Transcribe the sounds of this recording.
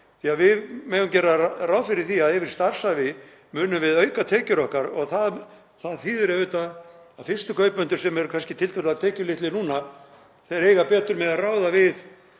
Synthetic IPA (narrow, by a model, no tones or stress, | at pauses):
θiavɪðmeːðʏmcɛːrarawðfɪɾɪɾ̥θiaðɛvɪɾ̥st̪ar̥savɪ | mʏːnʏmvɪðœːɥkat̪ʰɛːcʏɾɔhkaɾɔɣθað | θaðθiːðʏɾavɪːt̪aːfɪrst̪ʏkʰœːɥpmʏnt̪ʏɾ̥sɛmɛɾkʰanscɪt̪ʰɪlt̪ʰʏɾðaðt̪ʰɛːcʏlɪht̪lɪnuːna | θɛɾeːjɣapɛːt̪ʏɾmɛðaraːwðavɪð